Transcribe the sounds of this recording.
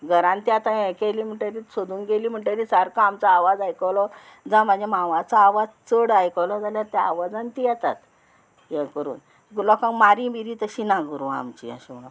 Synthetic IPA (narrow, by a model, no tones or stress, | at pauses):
ɡʱəɾãnt̪iat̪ãɛ̃kɛliːm̤əɳʈeɾisod̪ʱuːnɡeliːm̤əɳʈaɾisaɾkaamt͡saːʋad͡zajkɔwlɔ | d͡zãm̤ãd͡ʑemãʋat͡saːʋad͡zt͡səɽajkɔwlɔd͡zaljaɾt̪ɛa̰ʋad͡zãnt̪ijɛt̪a̰t̪ | jɛ̃kəɾṵːn | lɔkãŋkmaɾĩbiɾiːt̪əɕinãɡəɾua̰mt͡ɕḭã̰ɕunã